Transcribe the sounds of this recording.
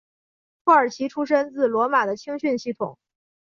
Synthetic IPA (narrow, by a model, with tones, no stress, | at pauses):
pʰwɔ˥˩ə˞˨˩t͡ɕʰi˧˥ʈ͡ʂʰu˥ʂə˥nt͡sɹ̩˥˩lwɔ˧˥ma˨˩d̪ə˦t͡ɕʰi˥ŋɕy˥˧nɕi˥˩t̪ʰʊ̰˨˩˦ŋ